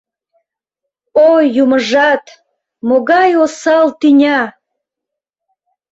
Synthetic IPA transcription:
ojuməʒɑt̪ | moɣɑjosɑlt̪inʲɑ

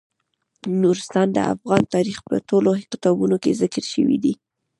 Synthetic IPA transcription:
nuɾɪst̪ɑnd̪ə̰ʔa̰fɣɑnt̪ɑɾixpə̰ʈoloqɪt̪ɑbunokezɪkəɾʃə̰wḭd̪i

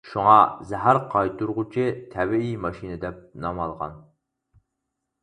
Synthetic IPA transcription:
ʃuŋɑzæɦæɾqʰɑjt̪uɾʁʊt͡ʃʰɪt̪ʰɛbiimɑʃinɨd̪ɛp̚nɑmɑlˠʁɑ̰n

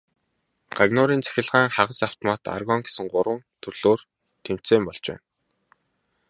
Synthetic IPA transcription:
ɢ̥aɣnʊːɾiːnt͡sæ̥xʲɪ̆ɮʁæːŋχaʁə̆saw̥t̪ʰɔmaːt̪a̰rɣɔŋɡe̥sɘ̆ŋɢʊɾwə̆nt̪ʰɵrɮ̥oːr | t̪ʰem̥t͡seːmpɔɮt͡ɕpæ̰ːn

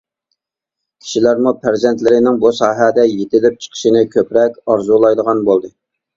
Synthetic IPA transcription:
kʲʰi̥ʃilæɾmupʰæɾzɛnt̪lɪɾɪnɪŋbusɑːɦɛd̪ɛjet̪ʰɪlɪp̚t͡ʃʰə̥qʰə̥ʃinɪkʲʰøpɾɛkʲɑɾzulˠɑjd̪əʁɑnbolˠd̪ɨ

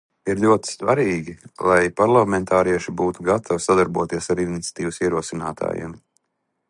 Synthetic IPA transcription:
iɾluɔt̪i̥st̪vaɾiːɡʲilˠajpaɾlˠamɛnt̪ʰaːɾiɛʃibuːt̪uɡat̪ʰawsad̪aɾbuɔt̪iɛsaɾinit̪sʲḁt̪iːvusiɛɾuɔsinaːt̪ʰa̰ːjɛ̰m

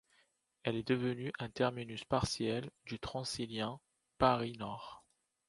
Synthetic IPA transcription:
ɛlɛd̪əvənyʔɛ̃t̪ɛʁminyspaʁsjɛld̪yt̪χɑ̃siljɛ̃ | paʁinɔʁ

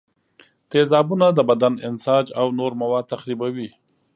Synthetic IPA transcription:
t̪ezɑbunad̪əbad̪anɪnsɑd͡ʒawnoɾmawɑd̪̚t̪axɾibawi

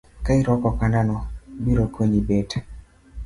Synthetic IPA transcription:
kaiɾɔkɔkandanɔbiɾokoɲibet

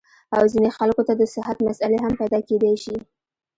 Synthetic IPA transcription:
awzinexalkot̪ad̪əsɪɦat̪masaleɦampajd̪ɑked̪ajʃi

